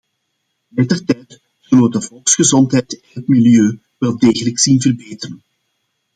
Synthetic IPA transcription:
lɛtərtɛjt | z̥ɵləʋədəvɔlˠksχəzɔntɦɛjtɛnɦətmiljøː | ʋɛlˠdeːɣələksinvərbeːtərən

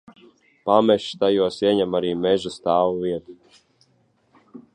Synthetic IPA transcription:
pamɛʃt̪ajuɔsiɛɲɛmaɾiːmɛʒust̪aːwuviɛt̪u

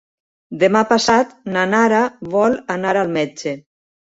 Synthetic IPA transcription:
d̪emapasat̪nanaɾaβɔlanaɾalˠmɛd͡ʒe

